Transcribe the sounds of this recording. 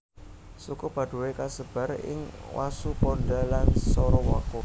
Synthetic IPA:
sukub̥ä̤ɖ̥ṳwekasəb̥a̤rɪ̰ŋwʔa̰supɔnɖalansɔɾɔwa̰ko

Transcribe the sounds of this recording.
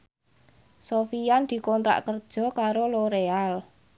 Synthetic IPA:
sofijand̪̥i̤kɔnt̪ɾa̰ʔkərd̥ʒ̥ɔ̤kaɾoloɾeal

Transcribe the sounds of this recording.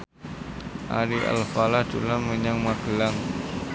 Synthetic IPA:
ʔa̰ɾiʔa̰lfalahd̪̥ulaməɲaŋmaɡ̥əlaŋ

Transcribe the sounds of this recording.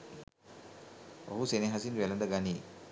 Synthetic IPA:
o̰ɦuseneɦasinʋɛlɐnd̪əɡani

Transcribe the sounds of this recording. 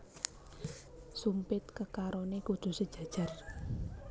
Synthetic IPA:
sumpɪt̪kəkaɾonekudd̪̥ṳsəd̥ʒ̥ä̤d̥ʒ̥ä̤r

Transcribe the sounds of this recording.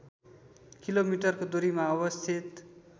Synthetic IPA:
kilomiʈʌrkod̪oɾimaʌbʌst̪ʰit̪

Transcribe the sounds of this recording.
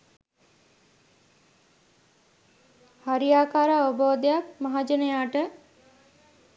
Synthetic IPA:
haɾijaːkaːɾaːoboːd̪ejakmaɦad͡ʒənəjaːʈə

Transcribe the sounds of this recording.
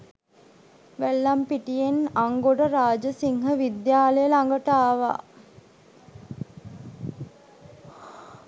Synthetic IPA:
ʋælːampiʈijenaŋɡoɖəɾaːd͡ʒəsiŋɦəʋid̪jaːləjəlaŋɡəʈaːʋa̰

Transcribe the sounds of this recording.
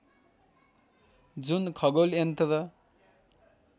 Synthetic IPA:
d͡zunkʰʌɡolent̪ʌɾʌ

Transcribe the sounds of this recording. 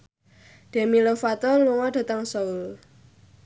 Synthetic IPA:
ɖ̪̥e̤milofat̪ɔluŋɔɖ̥a̤t̪əŋsoul

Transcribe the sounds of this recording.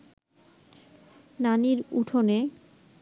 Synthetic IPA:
naniɾṵʈʰone

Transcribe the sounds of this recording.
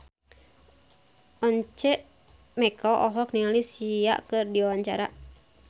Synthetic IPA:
ɔɲt͡ʃɛʔ | mɛkʰɔʔɔɦɔkniŋalisia̰ʔkɨrdiawaɲt͡ʃa̰ɾa

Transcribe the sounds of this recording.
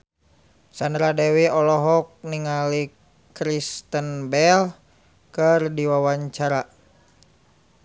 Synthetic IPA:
sandɾadɛwiɔlɔɦɔk̚niŋali | kɾist̪ənbɛl | kərdiwawaɲt͡ʃaɾa

